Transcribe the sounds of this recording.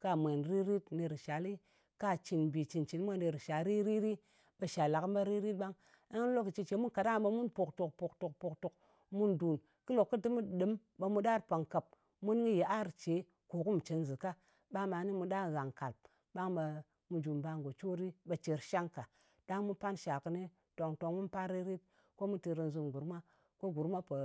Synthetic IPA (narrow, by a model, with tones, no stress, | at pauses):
ka˧mʷe˨nɾi˦ɾi˦tne˧ɾi˨ʃa˨li˦ | ka˦t͡ʃi˨nbi˨t͡ʃi˨nt͡ʃi˨n˦mʷ˦a˦ne˧ɾi˨ʃa˨ɾi˦ɾi˦ɾi˦ | ɓa˧ʃa˨la˨km˦ba˦ɾi˦ɾi˦t̚ɓa˦ŋ | a˦ŋ˦lo˦ki˨t͡ʃi˧t͡ʃe˨˦mu˦nka˨da˦˨ɓa˧mu˦npo˨kto˨k̚to˨k̚to˨k̚to˨kto˨k̚ | mu˦ndu˨n | kɨ˦lo˨kːɨ˦dɨ˦m˦ɗɨ˨˦m | ɓa˧mu˧ɗa˦ɾpa˨ŋka˨p̚ | mu˦nŋi˦je˨a˦ɾt͡ʃe˨˦ | ko˨ku˦m˨t͡ʃe˨nzɨ˨ka˦ | ɓa˦ma˨ni˦mu˨ɗa˦˨ɣa˨ŋka˨lp̚ | ɓa˦ŋɓa˧ | mu˨d͡ʒu˨mba˨ŋɡo˨t͡ʃo˦ɾi˦ɓa˨t͡ʃe˨ɾʃa˦ŋka˨ | d̥a˦ŋmu˦pa˦nʃa˨kɨ˦ne˦ | to˨ŋto˨ŋmu˦npa˦ɾi˦ɾi˦t̚ | ko˦mu˦ti˧ɾi˧nzu˦mɡu˨ɾma˦ | ko˦ɡu˨ɾma˦pə˨